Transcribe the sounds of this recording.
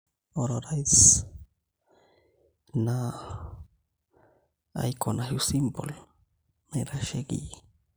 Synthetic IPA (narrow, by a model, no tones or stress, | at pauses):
oɾoɾajs | na | a̰jkʰonaɦjusimbol | meɾaʃeɡḭ